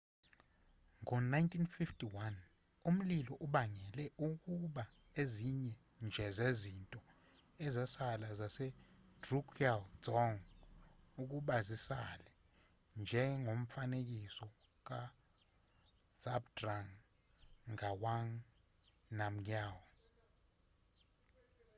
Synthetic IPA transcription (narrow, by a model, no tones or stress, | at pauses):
ŋɔnajntʰʼinfiftʰʼiwan | um̩lilɔʔuɓaŋɛlɛuk̬ʼuɓa | eziɲɛ | nd͡ʒʱɛzezintʼɔ | ɛzɛsalazasɛ | d̥rukʰiald͡zɔŋ | uk̬ʼuɓazisalɛ | nd͡ʒʱɛŋʱom̩fanek̬ʼisɔ | k̬ʼa | z̥abdraŋ | awaŋ | nam̩aːwɔ